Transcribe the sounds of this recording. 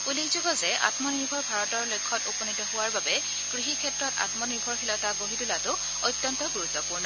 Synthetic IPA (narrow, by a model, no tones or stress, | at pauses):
ulikzuɡɔzɛa̰tmɔniɹbʱɔɹbʱaɹɔtɔɹlojkʰːɔtupɔnitɔhʊwaɹbabɛ | ɡ̥ɹiɦikʰɛtːɹɔta̰tmɔniɹbʱɔɹxʰilɔtaboɦidulatʊ | ojtːɔntɔɡuɹut̪ːɔpuɹnɔ